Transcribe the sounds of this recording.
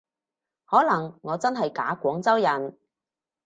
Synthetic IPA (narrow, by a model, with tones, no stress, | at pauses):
hɔː˨˥lɐ˨˩ŋːɔː˨˧t͡sɐ˥nɦɐ˨jka̰ː˨˥kʷɔː˨˥ŋt͡sɐ˥wjɐ˨˩n